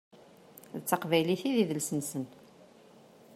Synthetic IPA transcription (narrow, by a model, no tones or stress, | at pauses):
ðət͡sːɑqvæjliθiðiðəlsənsən